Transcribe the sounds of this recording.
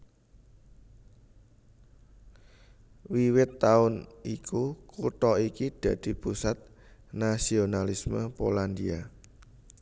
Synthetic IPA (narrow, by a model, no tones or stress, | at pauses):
wiwɪt̪ːaʊnikʰukuʈ̪ɔikid̪̥ä̤d̪̥i̤pusat̪̚ | nasionalisməpoland̪ia